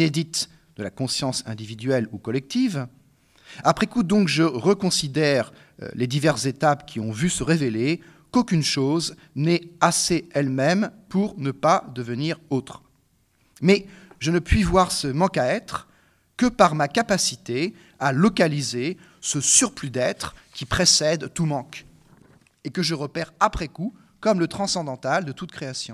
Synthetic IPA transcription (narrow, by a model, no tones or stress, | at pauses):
ed̪it̪ | d̪əlakɔ̃sjɑ̃sɛ̃d̪ivid̪ɥɛlukɔlɛk̚t̪iv | apχɛkud̪ɔ̃kʒəʁəkɔ̃sid̪ɛʁ̰ | led̪ivɛʁszet̪apkʲiɔ̃vysəʁevele | kokʲynʃoz | nɛaseɛlmɛmpuʁnəpad̪əvəniʁot̪χ | mɛʒənəpɥivwaʁsəmɑ̃kaɛt̪χ | kəpaʁmakapasit̪e | alɔkalize | səsyʁplyd̪ɛt̪χkʲipχesɛd̪t̪umɑ̃k | ekəʒəʁəpɛʁapχɛku | kɔmlət̪χɑ̃sɑ̃d̪ɑ̃t̪ald̪ət̪ut̪̚kχeasjɔ̃